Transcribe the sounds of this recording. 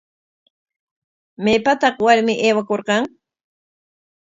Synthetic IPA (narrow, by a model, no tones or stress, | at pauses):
mejpat̪ɑχwaɾmɪʔeːwakoɾqɑŋ